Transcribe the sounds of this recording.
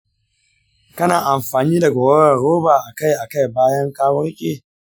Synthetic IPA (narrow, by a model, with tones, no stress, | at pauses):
kɐ˦naː˨ʔa˨mɸaː˨niː˦da˨ɡʷɔ˨wɐ˦ɾɐ˨ɾoː˦baː˨ʔa˨ka˦˨jʔa˨ka˦˨jbaː˦jɐ˦ŋkaː˦wɐ˦ɾkʲʼeː˦